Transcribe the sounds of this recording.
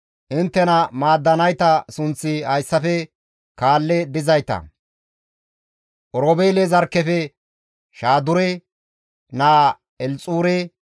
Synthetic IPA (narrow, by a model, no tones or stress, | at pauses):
ʔɪnt̪ːɛnɐmaːd̪ːɐnɐjt̪ɐsʊnt͡sːɪhɐjsːɐfɛ | kaːlːɛd̪ɪzɐjt̪ɐ̰ | ʔɔɾoːbeːlezɐɾkːɛfɛ | ʃaːd̪ʊɾɛ | naː | ɛlt͡sʼuːɾɛ